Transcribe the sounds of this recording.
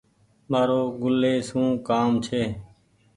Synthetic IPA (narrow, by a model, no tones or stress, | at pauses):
maːɾoːɡʊleːsũːkaːmt͡ʃʰeː